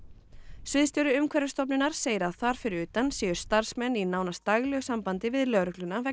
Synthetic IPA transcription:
svɪðst̪ɔɾʏʏmkʰvɛɾʏst̪ɔp̬nʏnaɾ̥seːjɾaðθaɾ̥fɪɾɪɾʏːt̪ansiːjʏ̥st̪aɾ̥smɛnːinaːwnast̪aɣlœɣʏsampant̪ɪvɪðlœɣɾʏklʏnavɛ

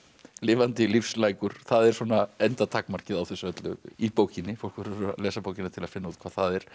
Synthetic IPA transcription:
lɪːvant̪ɪlifslaːjkʏɾ̥θaðɛɾ̥sɔːnaɛnt̪at̪ʰakmaɾ̥cɪðawθɛsːʏœt̪lʏipoːwcɪnːɪfowlkvɛɾʏalɛːsapowcɪnat̪ʰɪlaðfɪnːauːt̪kʰvaːðθaðɛɾ̥

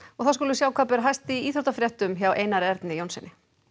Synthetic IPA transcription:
ɔɣθawskoːlʏsjaːwkʰvapɛɾaɦajst̪iiːθɾot̪afɾjɛht̪ʏmçawʔeːjnaɾɛɾt̪nɪjownsɛnːɪ

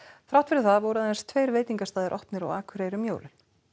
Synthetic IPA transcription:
fɾawt̪fɪɾɪθaðvɔwɾʏaejnst̪ʰveːjɾveːjt̪iŋkast̪aːðɪɾʔɔhpnɪɾa̰waːkʰʏɾejɾʏmjoːwlɪn̥

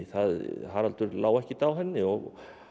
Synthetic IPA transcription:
θaðɦaɾalt̪ʏɾlaːwɛhcɪt̪awɦɛnːɪɔɣ

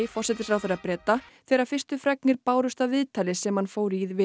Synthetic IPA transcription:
ɪfɔrsɛt̪ɪ̥fɾawθeɾapɾɛːt̪aθɛːɾaɾ̥fɪrst̪ʏfɾɛk̚nɪɾpaːwɾʏst̪avɪðt̪ʰaːlɪsɛmhanfoːwɾiðvɪ

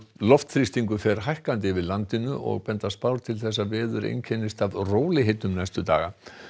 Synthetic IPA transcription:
lɔft̪θɾist̪iŋkʏfɛɾ̥ɦajhkant̪̬ɪvɪlant̪ɪnʏʔɔ̰ɣpɛnt̪aspawɾ̥t̪ʰɪlθɛs̬ːavɛːðʏɾḛjncʰɛnɪst̪avroːwlɪɦet̪nʏmnajst̪ʏt̪a̰ːɣa

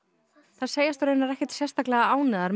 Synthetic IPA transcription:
θað̥seːjast̪ɾenaɾɛhcɛt̪sjɛrst̪aklɛɣaaːwnɪðaɾm

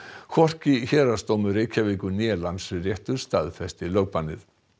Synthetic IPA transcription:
kʰvɔr̥ciçɛːɾast̪oːwmʏɾejcʰaviːkʏnjɛːlansrjɛht̪ʏɾ̥st̪aːðfɛst̪ɪlœɥk̚panːɪ̰θ

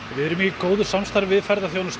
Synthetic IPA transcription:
vɪðɛɾʏmikoːwðʏsamst̪aɾvvɪðfaɾðaθjownʏst̪

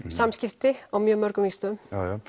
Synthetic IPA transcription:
samscɪft̪ɪawmjœːmːœɾkʏmist̪ʏmj

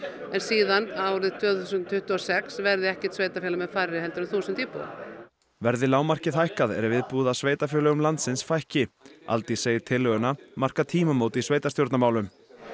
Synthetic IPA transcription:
ɛnsiːðanaaːwɾɪðt̪ʰvœːθusʏnt̪ʰʏht̪ʏɔsɛksvɛɾðɪɛhcɛ̥ɾt̪sveːjt̪afjɛlamɛðfaːɾɪhɛlt̪ʏɾɪmθuːsʏnt̪iːpṵa̰ | vɛɾðɪlaːwmar̥cɪθajhkaðɛ̰ɾvɪðpuːðasveːjt̪afjœːlœɣʏmlant̪sɪnsfajhcɪa̰lt̪iseːjɪt̪ʰɪlːœɣʏnamar̥kat̪ʰiːmamoːwt̪ɪisveːjt̪ast̪jowɾt̪namaːwlʏm

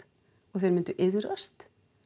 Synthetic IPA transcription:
ɔɣθejɾmɪnt̪ʏʔɪðɾast̪

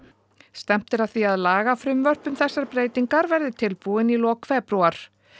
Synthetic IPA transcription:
st̪ɛm̥t̪ɪɾaðθiaðlaːɣafɾʏmvœr̥pʏmθɛsːaɾpɾeːjt̪iŋkaɾvɛɾðɪt̪ʰɪlpuɪnilɔːkʰfɛpɾuaɾ̥

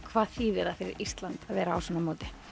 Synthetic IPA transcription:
kʰvaːðθiːvɛɾafɪɾɪ̰ɾist̪lant̪aðvɛːɾaawsɔːnːamoːt̪ɪ̥

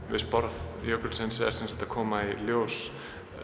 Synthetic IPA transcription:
ɪspɔɾðjowkɔɾsʰɛnsɛ̰ɾ̥sɛnsat̪akʰɔːmailjoːws

